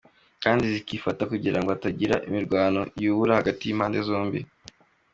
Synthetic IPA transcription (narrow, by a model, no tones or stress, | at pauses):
kaːndizikiːfatakuɟiɾaŋɡoataɟiɾa̰ʔimiɾɡwaːno̞juːβuɾahaɡatijimhaːnde̞zo̞ːmbḭ